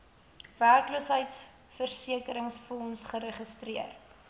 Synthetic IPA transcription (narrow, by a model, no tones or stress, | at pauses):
værkləsɦəjts | fərsiəkəɾəŋsfɔnsχəɾəχəstriər